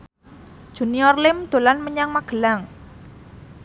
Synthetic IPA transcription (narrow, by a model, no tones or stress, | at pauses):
ʒ̥ṳniɔrlɪmd̪̥o̤lanməɲaŋmaɡ̥ə̤laŋ